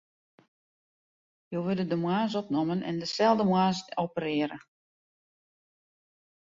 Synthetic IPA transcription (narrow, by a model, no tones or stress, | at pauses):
joːʋødədəmwaːzɔp̚nomənʔɛ̰ndəsɛlˠdəmwaːsopəɾɪəɾə̰